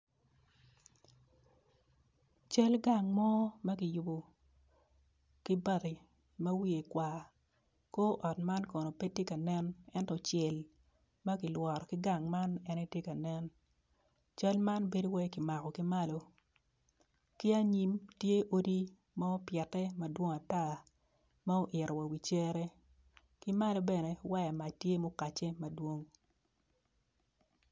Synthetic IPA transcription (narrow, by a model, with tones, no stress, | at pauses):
t͡ʃɐ˦lɡa˨ŋmɔ˦mɐ˦kɪ˨jʊ˨bo˨ | ki˦ba˨ti˨ | mɐ˦wi˦e˨kwa˨ | ko˦ʔɔ˨tma˦nkɔ˨no˨pe˦tːi˦ka˨nɛ˦nɛ˦ntɔ˨t͡ʃɛ˨l | mɐ˦kɪ˨lwɔ˨ɾɔ˨kɪ˦ɡa˨ŋma˦nɛ˦ne˦tje˦ka˨nɛ˦n | t͡ʃɐ˦lma˦nbe˦do˦wɛ˦ki˨ma˨kɔ˨ki˦ma˦lo˦ | ki˦a˦ɲi˦mtje˦ʔo˦di˦ | ma˦pjɛ˨tɛ˦ma˦dwo˦ŋa˨ta˦˨ | ma˦o˦ʔɪ˨ɾɔ˨wa˨wi˨t͡ʃe˦ɾɛ˦ | ki˦ma˦lo˦bɛ˦ne˨wa˦ja˨ma˨tje˦mo˦ka˨t͡ʃe˦mɐ˨dwo˦ŋ